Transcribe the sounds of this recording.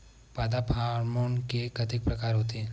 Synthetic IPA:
pad̪apʰaɾmonkekət̪ɪk̚pɾəkaːɾɦot̪e

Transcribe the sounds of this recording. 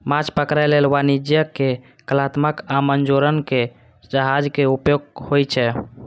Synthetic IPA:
mat͡ʃpəkɾajlelʋanid͡ʒjəkːe | kəlat̪məkamənd͡ʒoɾənke | d͡ʒəɦad͡ʒkeupjoɡhojt͡ʃʰɛ

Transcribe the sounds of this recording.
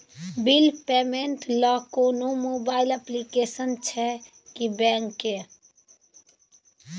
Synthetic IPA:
bilpeːmẽnʈlɔkoːnomoːbaːɪləplikeːsənt͡ʃʰɛ | kibɛ̃ːŋke

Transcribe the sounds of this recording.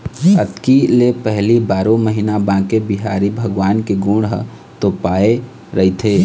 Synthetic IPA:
ət̪kilepəɦlibaːɾõməɦinabãːkebiɦaːɾibʱəɡʋaːnkeɡũɽɦ | t̪opaːe | ɾəɦit̪ʰe

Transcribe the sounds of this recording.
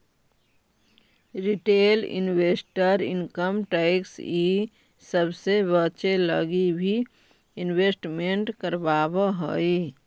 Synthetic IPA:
ɾiʈeːlɪ̰nwesʈəɾɪ̰nkəmʈaɪksi | səbsebət͡ʃelə̰ɡibʱi | ɪnweːsʈmẽɳʈkəɾbaːbəɦəi

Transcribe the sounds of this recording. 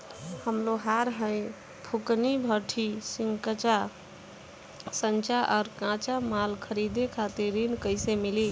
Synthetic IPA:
həmloɦaɾɦə̃j | pʰuknibʱəʈʰisiŋkət͡ʃa | sənt͡ʃaʔɔɾkãt͡ʃamalkʰəɾid̪ekʰat̪iɾinkəɪsemili

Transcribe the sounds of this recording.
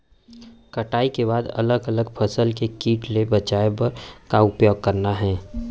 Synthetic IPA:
kɐʈaːikebaːd̪ɐ̰ləɡɐləɡpʰɐsəlkekiːʈlebɐt͡ʃaːepɐɾkaʊpjoːɡ̚kɐɾnaɦɛ̃ː

